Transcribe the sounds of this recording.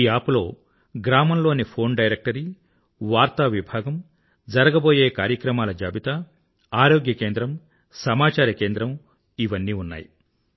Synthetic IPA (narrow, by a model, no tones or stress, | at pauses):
iaːpulo̞ː | ɡɾaːmɐmlo̞ːnipʰo̞ːnɖɐjɾek̚ʈɐɾi | ʋaːɾt̪ɐʋibʱaːɡɐm | d͡ʒɐɾɐɡɐbo̞ːjeːkaːɾjɐkɾɐmaːlɐd͡ʒaːbit̪ɐ | aːɾoːɡjɐke̞ːnd̪ɾɐm | sɐmaːt͡ʃaːɾɐke̞ːnd̪ɾɐm | iʋɐnːiːunːa̰ːji